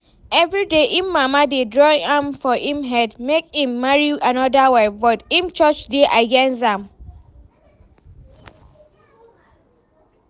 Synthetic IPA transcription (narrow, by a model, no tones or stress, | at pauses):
ɛvɹideʔĩmːamadedɹɔ̃ŋãmfɔʔĩmɦɛdmekĩmːaɹianɔdawɛbɔtĩmt͡ʃɔt͡ʃdeʔaɡɛ̃nsãm